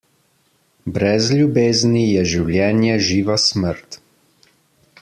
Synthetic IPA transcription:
bɾɛzljubeːznijɛʒiwljɛːnjɛʒiːʋasməɾt̪

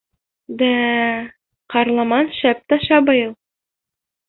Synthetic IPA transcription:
d̪æ | qɑɾlˠɑmɑnʃæp̚t̪ɑʃɑbɤjɤlˠ

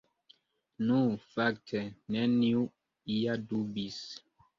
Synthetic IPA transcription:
nũfak̚tʰɛnɛniu | ijadubis

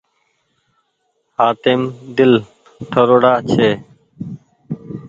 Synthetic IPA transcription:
haːt̪eːmd̪ɪl | ʈʰəɾoːɽaːt͡ʃʰeː

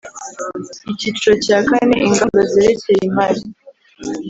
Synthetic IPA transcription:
icit͡ʃɾocakaneʔiŋɡandozeɾece̞jimaɾi

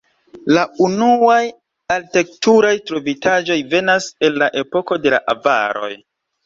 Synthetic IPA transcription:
launuaj | alte̞k̚tuɾajtɾovitad͡ʒo̞jve̞nase̞nlaʔe̞po̞ko̞de̞la̰ʔava̰ɾo̞̰j

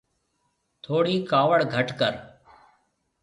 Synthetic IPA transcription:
t̪ʰoːɽiːkaːʋəɽɡʱəʈkəɾ

